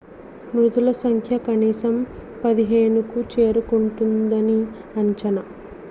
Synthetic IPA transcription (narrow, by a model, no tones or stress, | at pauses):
mɾud̪ulɐsɐŋkʰjɐkɐniːsɐmpɐd̪iɦeːnukut͡ʃe̞ːɾukuɳʈund̪ɐni | ɐɲt͡ʃɐnɐ